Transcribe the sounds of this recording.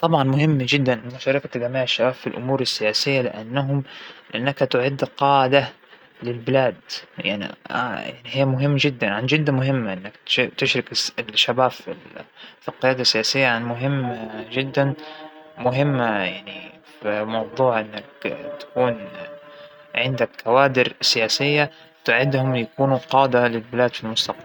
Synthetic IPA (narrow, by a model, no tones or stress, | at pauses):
t̪ˤɑbʕɑnmʊɦɪmːd͡ʒɪd̪ːanʔmʊʃɑːɾˤɑkat̪aɡamaːʕɪʃːabaːfːilʔʊ̰muːɾɪsːɪjaːsɪjːalɪ̰ʔanːaɦʊmʔanːakat̪ʊʕɪd̪qɑːʕɪd̪a | lɪlbɪlaːd̪ja̰ʕnḭja̰ʕnihɪjːmʊɦɪmːd͡ʒɪd̪ːanʕand͡ʒɪd̪ːamʊɦɪmːaʔɪnːak̪t̪ɪʃɾɪkʃːabaːfilfilqɪjaːd̪asːɪjaːsɪjːaʕanmʊɦɪmːd͡ʒɪd̪ːanmʊɦɪmːajaʕni | fimɑwd̪ˤuːʕʔɪnːakt̪ḁkuːn | ʕɪnd̪akʰːawaːd̪ɪɾsɪjaːsɪjːa | t̪ʊʕɪd̪hʊmjakuːnuqɑːd̪alɪlbɪlaːd̪filmʊst̪aq̚bal